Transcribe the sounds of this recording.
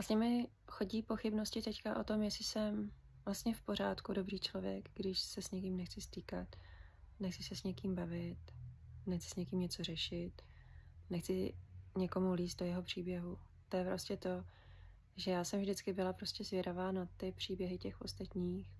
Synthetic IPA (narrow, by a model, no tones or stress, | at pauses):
vlasɲɛmɪ | xo̞ɟiːpo̞xɪbno̞scɪt̪ɛckaʔo̞t̪o̞mjɛsɪsɛm | vlast̪ɲɛfpo̞ɾaːt̪kudo̞bɾiːt͡ʃlo̞vjɛ̰kɡdɪʃsɛsɲɛk̬imnɛxt͡sɪst̪iːkat̪ | nɛxt͡sɪsɛsɲɛkiːmbavɪt̪nɛxt͡sɪ̥sɲɛkiːmɲɛt͡so̞rɛʃɪt̪ | nɛxt͡sɪɲɛko̞muliːst̪̚dojɛɦo̞pr̝̥iːbjɛɦu | t̪o̞jɛpɾo̞scɛt̪o̞ | ʒɛjaːsɛmvʒdɪt͡skɪbɪlapɾoscɛzvjɛɾavaːnat̪ɪpr̝̥iːbjɛɦɪcɛxo̞st̪at̪ɲiːx